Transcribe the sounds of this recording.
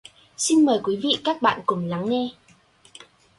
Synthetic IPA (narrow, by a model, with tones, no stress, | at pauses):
si˧nməː˨˩jkwi˨˦vḭ˧˨kaː˦˥k̚ɓa̰ː˧˨nkʊ˨˩ŋ͡mla˨˦ŋŋe˧